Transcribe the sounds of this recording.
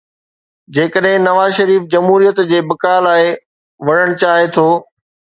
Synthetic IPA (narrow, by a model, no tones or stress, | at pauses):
d͡ʑeːkəɗɦɪ̃nɐʋaːzʃɐɾiːfd͡ʑɐmɦuːɾijət̪d͡ʑeːbɐkaːlaːe | ʋɐɽəɽ̃t͡ɕaːɦet̪ʰoː